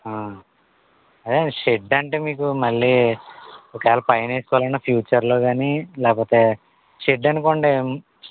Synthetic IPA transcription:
aː | ɐd̪eʃeɖɐɳʈe̞ːmiːk̬umɐɭːiː | ɔkɛːlɐpɐjɐneːsu̥kɔnɐpʰjuːt͡ʃɐɾlo̞ːɡaːnilɛːkpoːt̪e̞ː | ʃeɖːɐnukoɳɖe

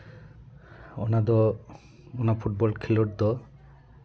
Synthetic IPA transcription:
o̰nad̪ɔ | onapʰuʈ̚bɔlkʰiloʈ̚d̪ɔ

